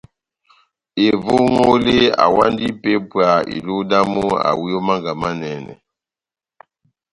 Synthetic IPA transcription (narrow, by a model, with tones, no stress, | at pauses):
e˨vo˦ŋo˦le˦a̰˨wa˦ndi˦pe˦pwa˨ḭ˨lu˦da˦mo˦a̰˨wu˦jo˦ma˦ŋɡa˨ma˦nɛ˨nɛ̰˨